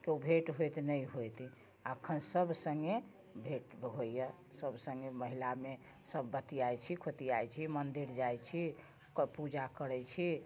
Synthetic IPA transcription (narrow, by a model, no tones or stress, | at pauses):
keubʱeʈɦojt̪nəjɦojt̪i | akʰːənsəbsəŋɡe | bʱeʈɦoijɛ | səbʱsə̃ŋɡeməɦilame | səbːət̪iajt͡ʃʰikʰot̪iajt͡ʃʰimənd̪iɾd͡ʒajt͡ʃʰi | kpud͡ʒakəɾɛt͡ʃʰi